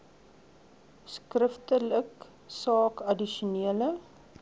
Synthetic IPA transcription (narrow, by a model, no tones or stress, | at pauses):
skrəftələk | sɑːkɐdiʃuniələ